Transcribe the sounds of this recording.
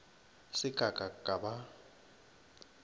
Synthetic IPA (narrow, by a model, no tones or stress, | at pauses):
sɪɡʼʱakʼakʼaba